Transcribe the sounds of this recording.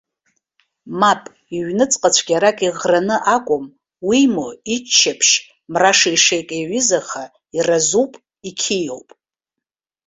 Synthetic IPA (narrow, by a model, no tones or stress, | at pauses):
mapʼ | iɥnɨt͡sʼqʼat͡ɕʷʰɡʲaɾakʼiʁranɨʔakʷʼʊm | wimoit͡ʃʰːapʰʃ | mraʂaiʂejkʼeɥɪzaχa | irazupʼ | ikʲʰijo̰wpʼ